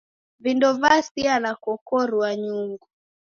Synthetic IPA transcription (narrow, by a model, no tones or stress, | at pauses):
vindɔvasialakɔkɔɾuwaɲuŋɡu